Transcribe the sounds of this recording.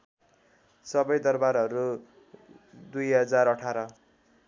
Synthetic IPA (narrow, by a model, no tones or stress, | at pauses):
sʌbʌjd̪ʌrbaɾɦʌɾu | d̪ujɦʌd͡zaɾʌʈʰaɾʌ